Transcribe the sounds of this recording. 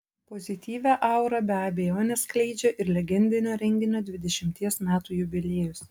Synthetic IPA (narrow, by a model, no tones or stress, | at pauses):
pɔzʲɪt̪ʲiːʋʲæʔɐˑʊɾɐbʲæɐbʲɛjoːnʲɛsklʲɛɪd͡ʒʲɛʔɪɾlʲɛɡʲɛnʲd̪ʲɪnʲoːɾʲɛŋʲɡʲɪnʲoːd̪ʲʋʲɪd̪ʲɛʃʲɪmʲt̪ʲiɛsmʲæːt̪uːjʊbʲɪlʲeːjʊs